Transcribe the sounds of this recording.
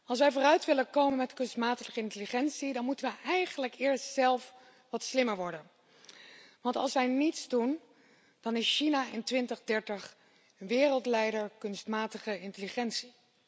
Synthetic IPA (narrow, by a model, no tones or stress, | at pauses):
ɑlˠs̬ʋɛjvʊːrœɥtʋɪlənkowmənmɛtkɵnstmaːtəχəɪntəliχɛnsidɑnmutənʋəɛjχənləkɪːɹstsɛlˠf | ʋɑtslɪməɹʋɔɹdən | ʋɑntɑ̰lˠsʋɛjnitsdun | d̥ɑnɪsʃinaɪntʋɪntəχdɛɹtəχ | ənʋɪːrəlˠtlɛjdəɹkɵnstmaːtəχəɪntəliχɛntsi̥